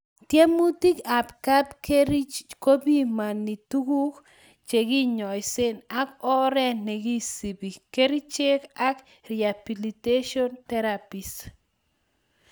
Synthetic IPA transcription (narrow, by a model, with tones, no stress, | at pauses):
tjɛ˦mu˦ti˦ka˨pka˦bkeɾi˦t͡ʃko˦bi˦ma˨nːi˨tu˦ɡu˦k | t͡ʃe˨ɡi˦ɲɔ˨jse˦na˦kɔ˦ɾɛ˦nːɛ˨ɡi˦si˨bi˨ke˦ɾi˦t͡ʃe˦ka˦k | ɾi˨a˨bi˨li˨te˦ʃɔ˦nt̪ɛɾapi˨s